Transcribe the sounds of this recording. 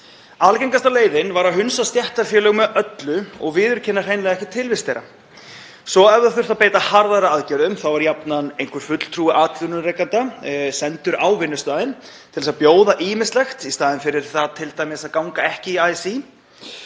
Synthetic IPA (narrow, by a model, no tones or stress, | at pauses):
alcɛŋkast̪aleːjðɪnvaɾaðɦʏnsast̪jɛht̪aɾfjɛːlœɣmɛðʔœt̪lʏɔɣvɪːðʏɾ̥cʰɛnːar̥eːjnlɛɣaɛhcɪt̪ʰɪlvɪst̪ejɾa̰ | sɔɛvðaθʏr̥t̪apeːjt̪ahaɾðaɾaaːðcɛɾʏmθawvaɾjapnanejŋkʰvʏɾ̥fʏt̪l̥t̪ʰɾuːɪʔaːt̪lʏnʏrejkant̪asɛnt̪ʏɾʔawvɪnːʏst̪aːðɪn | t̪ʰɪlɛsapjoːwðaʔiːmɪnst̪lɛxt̪ist̪aːðɪnfɪɾɪɾ̥θaðt̪ʰːɪlt̪aːjmasaðkawŋkaɛhcɪiaːjsi